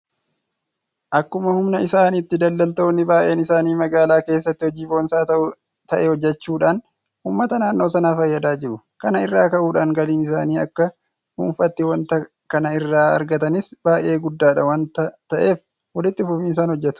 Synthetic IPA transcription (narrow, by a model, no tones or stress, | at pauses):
ʔɐkːʊmɐhʊmnɐɪsaːnit̪ːɪd̪ɐlːɐlt̪oːnːɪbaːʔe̞ːnɪsaːniːmɐɡaːlaːke̞ːs̬ːɐt̪ːɪhɔd͡ʒiːboːnsaːt̪ɐʔʊ | t̪ɐʔɛhɔd͡ʒːɛt͡ʃːuːᶑaːn | huːmːɐt̪ɐnaːnːo̞ːsɐnaːfɐjːɐd̪aːd͡ʒɪɾʊ | kɐnɐɪrːaːkɐʔuːᶑaːŋɡɐliːnɪs̬aːniːɐkːɐ | hṵːnfɐt̪ːɪwɐnt̪ɐ | kɐnɐɪrːaːɐ̰ɾɡɐt̪ɐnɪsbaːʔe̞ːɡʊd̪ːaːᶑɐwɐnt̪t̪ɐʔe̞ːf | wɐlɪt̪ːɪfʊfinɪs̬aːnhɔd͡ʒːɛt̪ʊ̥